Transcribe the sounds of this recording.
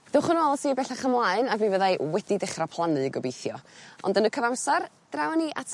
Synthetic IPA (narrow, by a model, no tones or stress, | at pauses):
ð̥ʊχʊnɔlˠsibɛɬaχəmlˠaɨnavivəðajwɛdidɪχrapʰlˠanɨiɡɔbejθjɔɔ̰ndənəkʰəvamsard̥rawaniʔatʰ